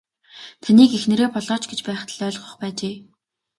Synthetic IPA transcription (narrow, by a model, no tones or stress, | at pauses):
t̪ʰaniːkexnĕɾeːpɔɮɔːt͡ɕɡet͡ɕpæːχt̪ʰəɮœːɮχʊ̥̆χpæːt͡ɕeː